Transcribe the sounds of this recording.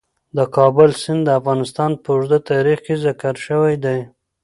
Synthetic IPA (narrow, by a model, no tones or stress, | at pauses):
d̪əkɑbʊlsɪnd̪d̪əafɣɑnɪst̪ɑnpəʊʒd̪at̪ɑɾixkezakaɾʃəwajd̪aj